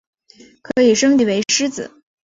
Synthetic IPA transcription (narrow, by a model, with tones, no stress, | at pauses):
kʰɤ˧˥i˨˩ʂɤ˥ŋt̪i˥˩we˧˥ɪʂɻ̩˥t͡sɹ̩̰˨˩˦